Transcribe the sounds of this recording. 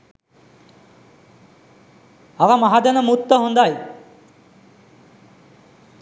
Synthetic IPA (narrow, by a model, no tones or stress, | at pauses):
aʋamaɦad̪anəmut̪ːəɦond̪aj